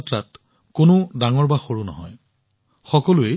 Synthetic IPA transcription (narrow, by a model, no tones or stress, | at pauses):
tɹat | kʊnʊdaŋɔɹbaxoɹunɔ̰ɦɔj | xɔkɔlʊe